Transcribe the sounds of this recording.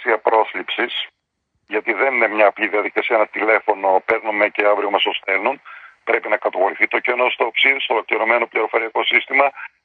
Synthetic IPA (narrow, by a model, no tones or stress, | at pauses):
siɐpɾo̞slipsis | ʝɐt̪iðeninemɲɐːpliðiɐðikɐsiɐnɐt̪ile̞fo̞no̞pe̞ɾnumece̞ɐvɾiomɐsost̪e̞nunpɾe̞pinɐkɐt̪ɐɣo̞ɾiθit̪o̞cenost̪oːpsiðist̪olo̞kliɾo̞me̞no̞pliɾofo̞ɾiɐko̞sist̪imɐ